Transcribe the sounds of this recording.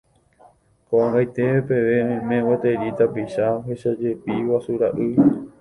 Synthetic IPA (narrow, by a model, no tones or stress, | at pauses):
koʔãŋɡajt̪e̞pe̞ʋe̞mẽwot̪eɾit̪apiʃaɦeʃad͡ʒe̞piwasuɾaʔɨ